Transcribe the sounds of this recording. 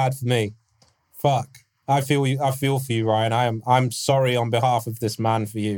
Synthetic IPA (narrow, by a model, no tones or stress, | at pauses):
æd̥fə˞mi | fʌk | aɪfilˠjɨaɪfilˠfəjɨɹaɪ̃ɾãɪɨ̃mãɪ̃msɑɹiə̃nbɨɦæfʌvðɪsmæ̃nfə˞jʉ